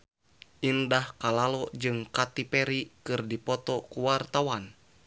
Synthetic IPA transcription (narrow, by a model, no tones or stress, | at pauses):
ʔindahkalalɔd͡ʒɨŋkat̪ipɛɾikɨrdipɔt̪ɔkuwart̪awan